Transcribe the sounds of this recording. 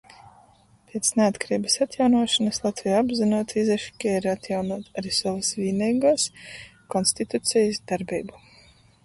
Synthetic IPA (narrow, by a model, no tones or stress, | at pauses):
pʲiɛt̪sneat̪kaɾiːbɐsat̪jawnuɔʃanɐslˠat̪vʲijaabzinuɔt̪izɛʃkʲɛɾat̪jawnuɔt̪aɾisɔvasviːnʲiːɡuːskɔnst̪it̪ut̪sʲɛjisd̪aɾbiːbu